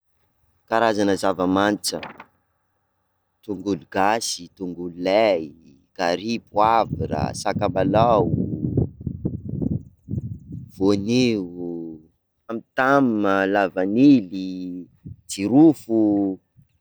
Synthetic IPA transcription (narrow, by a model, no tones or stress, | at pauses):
kaɾazanəzavəmant͡sə̰ | t̪uŋɡuluɡasit̪uŋɡululɛj | ɡ̥aɾipwaviɾa̰sakambalaw | voniu | amit̪amməlavanili | d͡ziɾufu